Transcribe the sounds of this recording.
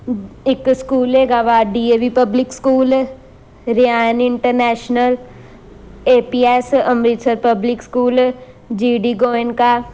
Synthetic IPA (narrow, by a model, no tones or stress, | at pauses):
ɪkskuːleːɡaːʋaːɖiːeːʋipəblɪkskuːl | ɾijaːnɪɳʈəɾnɛːʃnəl | eːpiːɛːsəmɾɪt̪səɾpəblɪkskuːl | d͡ʒiːɖiːɡoːɪnkaː